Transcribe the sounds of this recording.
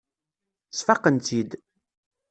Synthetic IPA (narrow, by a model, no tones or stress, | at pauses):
sfɑqːənt̪id̪